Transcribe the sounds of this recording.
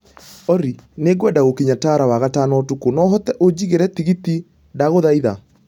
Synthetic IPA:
ɔɾineɡwɛdaɣokiɲataɾawaɣatanɔtukonɔɦɔt̪ɛʔod͡ʑiɣeɾɛt̪iɣit̪i | daɣoðaiða

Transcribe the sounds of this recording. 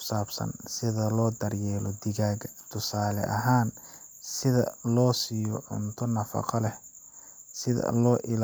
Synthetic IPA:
saːbsɐ̰nsɪðɐlɔːd̪ɐrjɛːlɔd̪ɪɣaːɡɐt̪ʰʊsaːlɛʔɐɦaːn | sɪðɐ̰lɔːsiːjɔʕʊ̰nt̪ʰɔnɐfɑ̰qɑlɛ | sɪðɐ̰lɔːʔɪl

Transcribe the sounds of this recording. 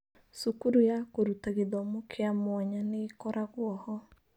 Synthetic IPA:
sukuɾujakoɾutaɣeðɔmokʰeamwaɲaneːkɔɾaɣwɔhɔ

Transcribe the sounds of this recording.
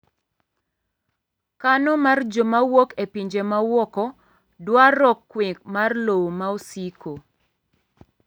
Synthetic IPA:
kanɔmard͡ʒomawokepiɲd͡ʒemawɔkɔ | dwaɾɔkːwik̚marlowomaosiko

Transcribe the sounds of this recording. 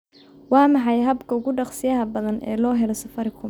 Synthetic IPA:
wɑːmɑħɑjɦɐbkʰɐʊɣʊɖɑqsɪjɐɦɐbɐðɐnʔɛ̰ːlɔːɦɛlɔsɐfɐɾɪkʰʊm

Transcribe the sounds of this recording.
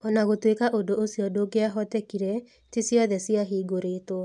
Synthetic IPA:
ɔnaɣotwekaʔodoosiɔdoɡeaɦɔtɛkiɾɛ | tisiɔðɛsiaɦiːɡoɾeto

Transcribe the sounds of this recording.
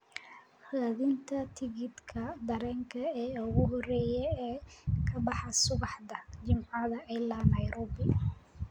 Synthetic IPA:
haːðɪnt̪ʰɐt̪ʰɪɣɪd̪kʰɐd̪ɐɾɛːŋkʰɐɛːʊɣʊɦɔrɛːjɛɛːkʰɐbɑħɑsʊɣɑħd̪ɐd͡ʒɪmʕɑðɐʔɛjlɐnɐjɾɔːbɪ

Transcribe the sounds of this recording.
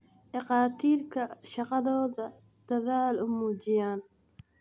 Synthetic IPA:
ʔɑqɑːt̪ʰiːrkʰɐʃɑqɑðɔːðɐ | d̪̥ɐðaːlʊmuːt͡ʃɪjaːn

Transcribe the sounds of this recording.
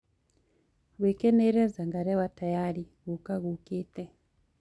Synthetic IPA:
βikɛneɾɛzaŋɡaɾɛwatajaːɾi | ɣukaɣukitɛ

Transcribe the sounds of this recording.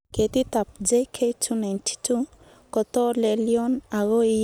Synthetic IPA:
ket̪it̪ap̚d͡ʒekʰetʰunajntʰi̥tʰu | kɔt̪ɔleliɔnaɣoi

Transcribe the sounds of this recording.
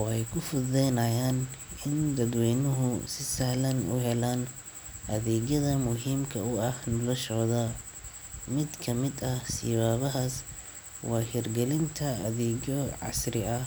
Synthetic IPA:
ɔːɛjkʰʊfʊðɛjnɐjaːnɪnd̪ɐd̪wɛːjnʊɦʊsɪsɐhlɐnʊ̰ɦɛlaːn | ʔɐðɛːɡjɐðɐmʊɦiːmkʰɐʊɐhnɔlɐʃɔːðɐ | mɪd̪kʰɐmɪd̪ɐhsɪ̰βaːβɐɦaːs | wɑːhɪrɡɛlɪnt̪ʰɐɐðɛːɡjɔʕɑ̰srɪɐh

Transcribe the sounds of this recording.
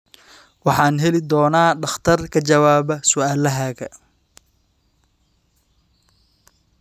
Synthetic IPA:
wɑħɑːnɦɛlɪd̪ɔːnaːɖɑχt̪ʰɐrkʰɐt͡ʃɐwaːbɐsʊaːlɐɦaːɣɐ

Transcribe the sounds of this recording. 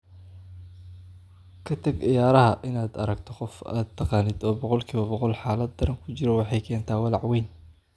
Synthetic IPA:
kʰɐt̪ʰɐɡʔɪjaːɾɐɦɐʔɪnaːd̪ɐ̰ɾɐɡt̪ʰɔqɔfa̰ːd̪̚t̪ʰːɑqɑːnɪd̪ɔːbɔqɔlkʰiːβɐbɔqɔlħɑːlɐd̪̚ːɐɾɐŋkʰʊt͡ʃɪɾɔwɑħɑjkʰɛːnt̪ʰaːwɑlɑʕwɛːn

